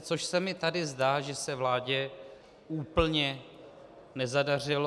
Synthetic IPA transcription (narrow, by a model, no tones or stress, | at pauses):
t͡soʃsɛmɪt̪adɪzdaːʒɛsɛvlaːɟɛ | uːpl̩ɲɛ | nɛzadar̝ɪlo